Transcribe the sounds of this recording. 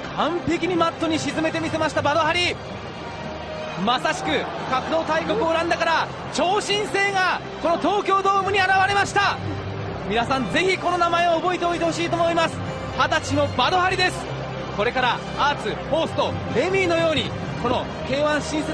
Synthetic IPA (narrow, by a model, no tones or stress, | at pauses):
kãmpe̞kʲiɲ̟imat̪ːo̞ɲ̟iɕizɨme̞t̪e̞mʲise̞maɕi̥t̪abad̪o̞ɦaɾʲi | masaɕi̥kɯ̟ | kakɯ̟d̪o̞ːt̪aikokɯ̟oɾãnd̪akaɾa | t͡ɕo̞ːɕĩɰ̃se̞ːŋa | ko̞no̞t̪o̞ːkʲo̞ːd̪o̞ːmɯ̟ɲ̟iaɾaβaɾe̞maɕi̥t̪a | mʲinasãnd͡ze̞çiko̞no̞namae̞oːbo̞it̪e̞oit̪e̞ho̞ɕ̬iːt̪omo̞imasɨ̥ | hat̪at͡ɕino̞bad̪o̞haɾʲid̪e̞sɨ̥ | ko̞ɾe̞kaɾa | aːt͡sɨho̞ːsɨ̥t̪oɾe̞mʲiːno̞jo̞ːɲ̟i | ko̞no̞ | ke̞ːβãɰ̃ɕĩɰ̃se